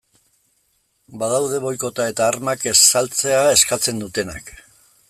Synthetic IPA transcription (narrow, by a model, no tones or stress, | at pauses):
baðawðe̞βo̞jko̞t̪ae̞t̪aːɾmake̞salt͡se̞ae̞skat͡se̞nd̪ut̪e̞nak